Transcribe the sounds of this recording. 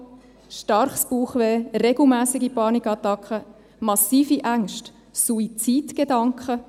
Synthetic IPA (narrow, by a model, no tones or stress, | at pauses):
ʃtɑɾχsb̥uːχʋeːɾeɡ̥l̩mæːsɪɡipɑːnikɑtɑkχə | mɑsiːfiʔæŋʃt | suit͡siːtɡ̥edɑŋkχə